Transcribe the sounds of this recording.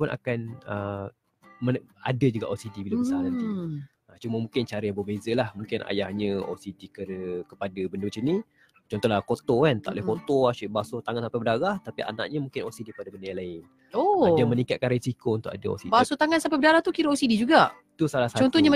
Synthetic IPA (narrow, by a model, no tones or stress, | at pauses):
pʊnʔa̰kanə | məa̰dəd͡ʒuɡaʔosidibilabəsanant̪i | ət͡ʃuməmũŋkɪnt͡ʃaɾəjaŋbəbezəlahmũŋkɪnʔa̰jahɲə̃o̰sidikəɾəkəpadəbəndəmat͡ʃamni | t͡ʃɔnt̪ɔhlahkot̪okant̪a̰ʔlahkot̪oaʃiʔbasot̪aŋansampabədaɾaht̪apiʔa̰na̰ʔɲəmũŋkɪnosidipadəbəndəjãlaɪn | ojamənikat̪̚kanrisikount̪ʊkadəo̰sibasot̪aŋansampɛbədaɾaht̪ukiɾəosidid͡ʒuɡaʔ | t̪usalasaɔnt̪ɔɲa